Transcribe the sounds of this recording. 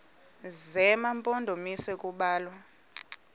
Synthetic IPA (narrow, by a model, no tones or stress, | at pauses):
zɛmampʼɔndʱomisɛkʼuɓaːlwa